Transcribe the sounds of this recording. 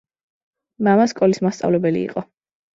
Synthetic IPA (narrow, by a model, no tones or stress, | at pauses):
mamaskʼɔlismast̪sʼa̰vlɛbɛlḭːqʼɔ